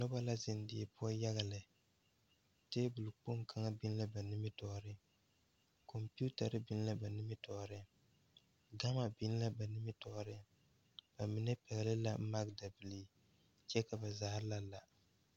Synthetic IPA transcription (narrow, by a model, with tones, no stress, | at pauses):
nʊ˦ba˦la˦zɪ˨n˦dɪ˨ɛ˨pʊ˦a˦ja˦ɣa˨lɪ˨ | teː˦bʊ˨lɨ˨k͡po˦mkʰa˦ŋa˦bɪ˦n˦la˦ba˨nɪ˦mɪ˦tɔ˦˨ɾɪ˦ | ko˨mpi˦u˦ta˨ɾɨ˦bɪ˦n˦la˦ba˨nɪ˦mɪ˦tɔ˨ɾɪ˦ | ɡa˦ma˦bi˦n˦la˦ba˨nɪ˦mɪ˦tɔ˨ɾɪ˦ | b̥a˨mɪ˨nɛ˦pɛ˨ɡlɪ˦la̰˦m̩˦ma˦k̚da˨bɪ˨li˦ | t͡ʃɛ˦ka˨ba˨zaː˨˦ɾla˦la˨